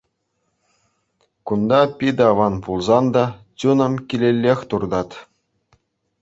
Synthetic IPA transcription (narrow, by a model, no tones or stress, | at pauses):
kund̪ɑpʲid̪ɑʋɑnpulˠzɑnd̪ɑt͡ɕunɤ̆mkʲilʲelʲːexʲt̪urd̪ɑt̪ʲ